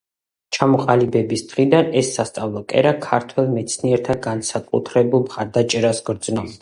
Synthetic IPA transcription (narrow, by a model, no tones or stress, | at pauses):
t͡ʃʰamɔqʼalibɛbisd̪̥ʁid̪anɛsːast̪sʼavlˠɔkʼɛ̰ɾakʰaɾt̪ʰwɛlˠmɛt̪sʰniɛɾt̪ʰaɡansakʼṵt̪ʰɾɛbulˠmχaɾd̪at͡ʃʼɛɾasɡɾd̪z̥nɔbd̪a